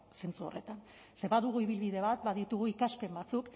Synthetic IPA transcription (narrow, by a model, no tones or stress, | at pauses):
se̞nt͡suo̞̰re̞t̪an | se̞βaðuɣuiβilβiðe̞βat̪baðit̪uɣ̞uikaspe̞mbat͡suk